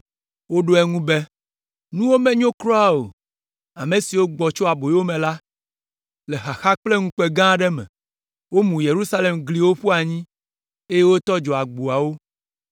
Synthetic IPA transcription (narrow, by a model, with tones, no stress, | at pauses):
wo˦ɖo˦ɛ˦ŋũ˦be˦ | nũ˦wo˦mɛ̃˨ɲõ˦kɾɔ˦a˦o̰˨ | a˨mẽ˨si˨wo˦ɡ͡bɔ˨t͡ʃo˦a˨bo˨jwo˦mɛ̃˨la˦ | le˨xa˨xa˦k͡ple˦ŋũ˦k͡pe˨ɡã˦ɖɛ˦mɛ̰̃˨ | wo˦mũ˨je˨ɾu˦sa˦le˨mɡli˨wo˦ɸu˦a˨ɲĩ˦ | e˦je˦wo˦t̪ɔ˦d͡ʒɔ˨a˨ɡ͡bu˨a˨wo˦